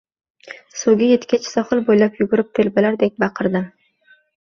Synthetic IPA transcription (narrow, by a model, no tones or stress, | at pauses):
soɡʲɪjet̪kʲat͡ʃʰsɒχɨlˠbojlapjʊɡʊɾɪp̚t̪ʰelbɪlaɾd̪ek̚ʲbɑqʰɨɾd̪ɪ